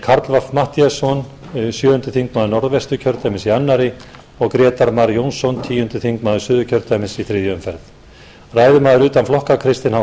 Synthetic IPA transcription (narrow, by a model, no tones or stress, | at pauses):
kʰaɾt̪lvafmaht̪iasɔn | sjœːʏnt̪ʏθiŋkmaːðʏnɔɾðvɛst̪ʏcʰœɾt̪ajmɪnsianːaɾɪ | ɔɣkɾɛːt̪aɾmaɾjownsɔnt̪ʰiːjʏnt̪ʏθiŋkmaːðʏsʏːðʏcʰœɾt̪ajmɪnsiθɾɪːðjʏʏmfɛɾθ | raːjðʏmaːðʏɾʏːt̪anflɔhkakʰɾɪst̪ɪnha